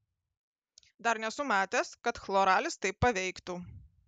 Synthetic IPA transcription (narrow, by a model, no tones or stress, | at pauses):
d̪ɐɾnʲɛsʊmɑːt̪ʲeskɐt̪xlˠoːɾɑːlʲɪst̪ɐɪpːɐʋʲɛɪkt̪uː